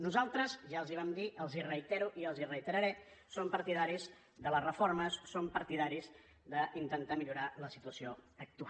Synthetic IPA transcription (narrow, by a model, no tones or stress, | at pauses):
nuzalˠt̪ɾəzʒaəlˠziβ̞amd̪iʔəlˠzirəit̪ɛɾuʔiəlˠzirəit̪əɾəɾɛsompəɾt̪iðaɾiz | ðələrəfoɾməssompəɾt̪iðaɾiz | d̪əʔint̪ənt̪amiʎuɾaləsit̪uəsioək̚t̪ua